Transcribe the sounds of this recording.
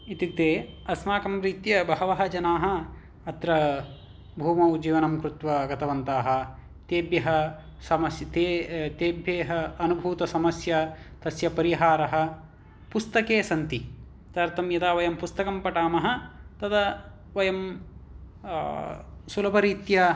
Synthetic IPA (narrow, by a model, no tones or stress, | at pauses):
it̪ikt̪eːɐsmaːkɐmɾiːt̪jɐbɐɦɐʋɐɦɐd͡ʒɐnaːɦɐː | t̪ɾɐ | bʱuːmɐwd͡ʒiːʋɐnɐmkɾut̪ʋɐɡɐt̪ɐʋɐnt̪aːɦɐ̆ | t̪eːbjɐɦɐ | sɐmɐsjɐt̪eːt̪eːbʱjeːɦɐːnubʱuːt̪ɐsɐmɐsjɐt̪ɐsjɐpɐɾiɦaːɾɐɦɐ̆ | pust̪ɐkeːsɐnt̪i | t̪ɐɾt̪ɐmjɐd̪aːʋɐjɐmpust̪ɐkɐmpɐʈaːmɐɦɐ̆t̪ɐd̪ɐ | ʋɐjɐm | sulɐpɐɾiːt̪jɐ